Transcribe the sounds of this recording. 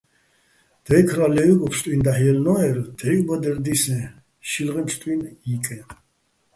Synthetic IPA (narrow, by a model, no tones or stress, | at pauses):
d̪̥ɛjkʰɾalɛuɡɔpʰst̪ʼwind̪aħjɛlnɔɛɾd̪̥ɛjkʼbad̪ɛɾd̪isɛ | ʃilʁɛmst̪ʼwinikʼɛ